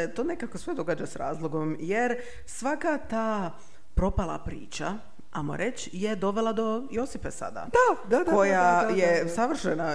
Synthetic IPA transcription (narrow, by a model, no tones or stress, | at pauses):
t̪oːne̞kako̞sʋe̞d̪o̞ɡaːd͡ʑasɾa̰ːzlˠo̞ɡo̞mjeɾ | sʋakat̪aː | pɾo̞palˠa̰pɾḭːt͡ʃa | amo̰ɾʔet͡ɕ | je̞d̪o̞ʋe̞lˠad̪o̞jo̞sipesa̰d̪a̰d̪ad̪ad̪ko̞jajesaʋr̩ʃena